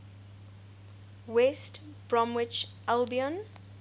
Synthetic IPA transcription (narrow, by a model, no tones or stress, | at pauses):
wɛst | bɹɔ̃mwɪt͡ʃ | ɛlbiə̃n